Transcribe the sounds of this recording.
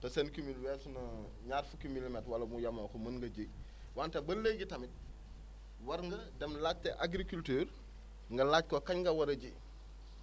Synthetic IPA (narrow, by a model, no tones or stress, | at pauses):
tɐsɐnkimilwɛːsunɐ | ɲaːɾfukimilimɛtwɐlɐmujɐmokomɐnŋɡɐɟi | wantɐbɐlːeːɟitɐmit̚ | wɐɾŋɡɐdɛmlaːt̚teʔaɡɾikultøːɾ | ŋɡɐlat̚kokɐɲŋɡɐwɐɾɐɟi